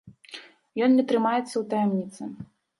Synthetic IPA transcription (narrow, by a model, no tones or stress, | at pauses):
jɔnnʲɛt̪ɾɨmajɛt̪sːɐwt̪ɐjɛmnʲit̪sɨ